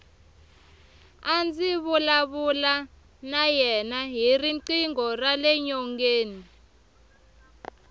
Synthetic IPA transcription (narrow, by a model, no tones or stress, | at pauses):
and͡ziβulaβula | najɛnaɦiriǀiŋɔralɛɲɔŋɡeːni